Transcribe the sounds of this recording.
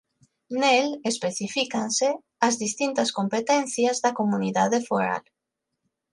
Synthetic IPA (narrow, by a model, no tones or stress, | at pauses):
nelespeθifikanse | ɐzðist̪int̪ɐskompet̪ɛn̟θjazðɐkomuniðaðefoɾa̰l